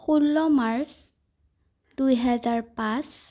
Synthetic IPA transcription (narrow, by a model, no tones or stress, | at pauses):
xulːɔmaɹs | dujɦɛzaɹpãs